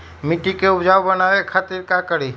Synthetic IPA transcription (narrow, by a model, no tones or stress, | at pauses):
mɪʈikeʊd͡ʒaːwbənaːekʰaːt̪iɾkakəɾi